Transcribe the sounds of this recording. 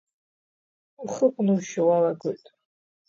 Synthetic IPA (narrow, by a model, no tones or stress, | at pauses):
χəkʷʼnɨwʃawalaɡɨtʼ